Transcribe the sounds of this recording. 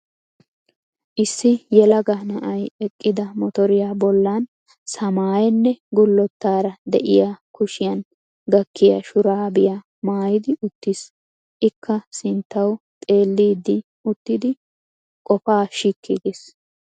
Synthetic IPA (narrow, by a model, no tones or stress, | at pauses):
ʔɪsːɪjɛlɐɡaːnɐʔɐjɛkʼːɪd̪ɐmɔt̪ɔɾɪjaːbɔlːaːn | sɐmaːjɛnːɛɡʊlːɔt̪ːaːɾɐd̪ɛ̰ʔɪjakʊʃɪjɐn | ɡɐkːɪjɐ̰ʃʊɾaːbɪja | maːjɪd̪ɪʔʊt̪ːɪs | ʔɪkːɐsɪnt̪ːɐwt̪ʼe̞ːlːiːd̪ːɪ | ʊt̪ːɪd̪ɪ | kʼɔfaːʃikʰːɪɡes